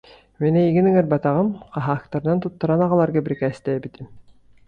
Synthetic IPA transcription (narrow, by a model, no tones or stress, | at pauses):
minɛiɡiniŋɛɾbat̪aʁɯmqɑɦaːk̚t̪aɾɯnant̪ut̪ːaɾanaʁalˠaɾɡabiɾikɛːst̪ɛbit̪im